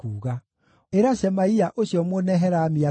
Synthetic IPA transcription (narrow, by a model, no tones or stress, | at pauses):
kuːɣa | eɾaɕɛmaiaʔoɕjɔmonɛɦɛɾamia